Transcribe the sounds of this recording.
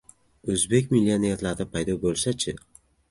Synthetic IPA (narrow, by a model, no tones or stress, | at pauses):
ɵzbe̞kʲmɪlːionijaɾt̪laɾd̪apʰajd̪ɒbolˠsat͡ʃʰɪ